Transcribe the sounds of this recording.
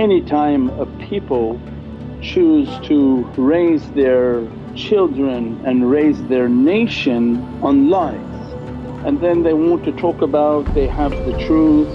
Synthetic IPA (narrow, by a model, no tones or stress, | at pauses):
ɛnitʰãɪ̃məpʰipl̩ˠ | t͡ʃʰʉz̥tʰəɹeɪzðə˞ | t͡ʃʰɪlˠdɹɨ̃nɨ̃nɹeɪzðə˞neɪʃɨ̃n | ə̃nlaɪvz̥ | ʔɨ̃nðɨ̃nðeɪwɑ̃ntʰɨtʰɔkəbaʊt̪̚ðeɪəvðɨtʰɹ̥uθ